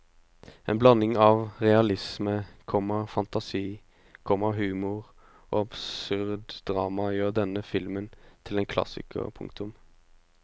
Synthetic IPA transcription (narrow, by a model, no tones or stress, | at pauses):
ɛːnblɑnɪŋɑʋʁɛɑlɪsməkʰɔməfɑnt̪ɑsiː | kʰɔməɦʉːmʊʁ | ʔo̰ːɑbsʉʁd̪d̪ʁɑːmɑjøːʁd̪ɛnːəfɪlmənt̪ʰɪlɛnkʰlɑ̰sɪ̰kə̰pʰʊ̰ŋkt̪ʊm